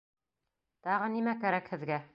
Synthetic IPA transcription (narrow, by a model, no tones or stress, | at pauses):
t̪ɑʁɤnimækæɾækhɘ̆ðɡæ